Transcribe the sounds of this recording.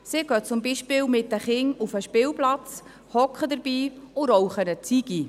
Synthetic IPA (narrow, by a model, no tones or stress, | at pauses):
sɪɡ̥œt͡sʊmbiʃpɪːwmɪtəχɪŋufəʃpɪːwplɑt͡s | hɔkχəd̪əɾb̥iːʊɾowχənət͡siɡ̥i